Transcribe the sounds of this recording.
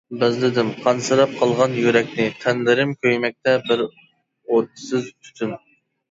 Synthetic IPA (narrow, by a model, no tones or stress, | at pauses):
bɪzlɪd̪ɪmqʰɑnsɨɾɑp̚qʰɑlˠʁɑnjyɾɛk̚ʲnɪt̪ʰænlɪɾɪmkʲʰøjmɛk̚ʲt̪ɛbɪɾ | ot̪ːsɪzt̪ʰy̥t̪ʰyn